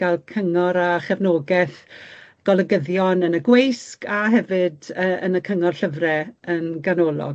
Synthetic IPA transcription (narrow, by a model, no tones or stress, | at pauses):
alˠkʰəŋɔɾaχɛvnoːɡɛθɡ̥ɔlˠəɡəðjɔnənəɡwejskaɦɛvɨdəːənəkʰəŋɔrɬəvrɛənɡanɔːlˠɔ̰ɡ